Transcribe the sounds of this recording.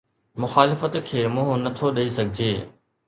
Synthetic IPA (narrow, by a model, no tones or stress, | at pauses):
mʊxaːlɪfət̪kʰeːmʊ̃ɦʊ̃nɐt̪ʰoɗɐisɐɡʱɪd͡ʑeː